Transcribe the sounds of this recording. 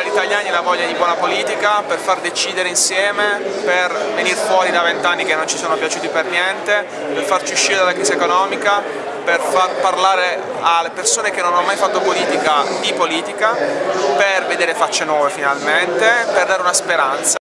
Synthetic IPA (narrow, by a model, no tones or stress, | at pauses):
alit̪aʎːjaːniɛlavɔʎːad̪ibwɔːnapoliːt̪ikaperfard̪et͡ʃiːd̪eɾeinsjɛːmepervenirfwɔːɾid̪avent̪anːikenːont͡ʃisoːnopjat͡ʃuːt̪ipernjɛnt̪e | perfart͡ʃiuʃːiɾed̪alakɾiːziekonɔːmika | perfarparlaːɾe | alepersoːnek̟enːonamːajfat̪ːopoliːt̪ikad̪ipoliːt̪ikaperved̪eːɾefat͡ʃːenwɔːvefinalment̪eperd̪aːɾeunaspeɾant̪sa